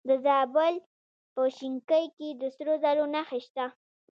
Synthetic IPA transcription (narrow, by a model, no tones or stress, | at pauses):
d̪əzɑbəl | pəʃiŋkəjked̪əsɾozaɾonaxeʃt̪a